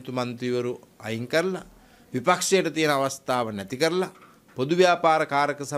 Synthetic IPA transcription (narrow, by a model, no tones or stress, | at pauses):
t̪umɐnt̪ɾiʋɐɾuɐjiŋkɐɾlɐ | ʋipɐkʂeːʈɐt̪ijnɐɐʋɐst̪ʰaːʋɐnɐt̪ikɐɾlɐ | pod̪uʋjaːpaːɾɐkaːɾɐkɐsɐ